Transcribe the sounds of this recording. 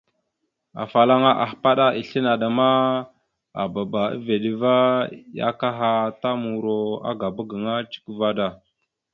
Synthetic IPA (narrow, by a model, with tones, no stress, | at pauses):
a̰˨fa˨la˦ŋa˦ʔa˨xpa˦ɗa˦ʔi˨ɬi˦na˨ɗa˨ma˦ | a̰˨ba˨ba˨ḭ˦ve˨ɗi˦va˦ja̰˦ka˦ɦa˦ta˦mu˨ɾo˨a̰˦ɡa˨bə˦ɡə˨ŋa˦t͡ʃi̥˦kva˦da˨